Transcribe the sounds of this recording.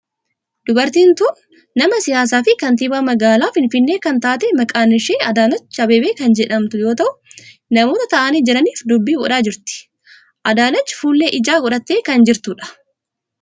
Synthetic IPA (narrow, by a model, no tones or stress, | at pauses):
d̪ʊbɐɾt̪iːnt̪uːnː | ɐmɐsɪjaːs̬aːfɪkɐnt̪ɪbaːmɐɡaːlaːfɪnfɪnːe̞ːkɐnt̪aːt̪ɛmɐkʼaːnɪʃeːɐd̪aːnɐt͡ʃːɐbeːbeːkɐnd͡ʒɛᶑɐmt̪ʊjo̞ːt̪ɐʔʊ | nɐmo̞ːt̪ɐt̪ɐʔaniːd͡ʒɛɾɐniːfd̪ʊbːiːbʊᶑaːd͡ʒɪɾt̪ɪ̥ | ʔɐd̪aːnɐt͡ʃːɪ̥fuːlːeːʔɪd͡ʒaːɡʊᶑɐt̪ːeːkɐnd͡ʒɪɾt̪uːᶑɐ̥